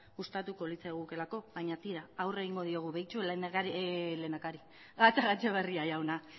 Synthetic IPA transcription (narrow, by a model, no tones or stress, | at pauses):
ust̪at̪uko̞lit͡sajɣuke̞lako̞βajɲat̪iɾaawre̞ɣiŋɡo̞ð̞io̞ɣ̞uβejt͡suelenaaɾilenakaɾi | ɣat͡saɣat͡ʃeβeriajawna